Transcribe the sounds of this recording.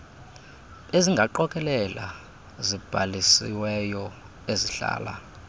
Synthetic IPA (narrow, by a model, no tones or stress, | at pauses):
eziŋɡʱaǃɔkʼɛlɛla̰ | zib̥ʱalisḭwɛjɔ | eziɬa̰ːla̰